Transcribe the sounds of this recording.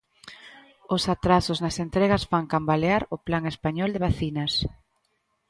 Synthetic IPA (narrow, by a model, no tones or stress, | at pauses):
ʊsat̪ɾasʊznɐsent̪ɾɛɣɐsfaŋkambaleaɾʊplaŋespaɲɔld̪eβ̞aθinɐs